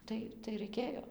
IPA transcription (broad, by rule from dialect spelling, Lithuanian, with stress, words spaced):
ˈtɐɪ tɐɪ rɐɪˈkʲeːjoː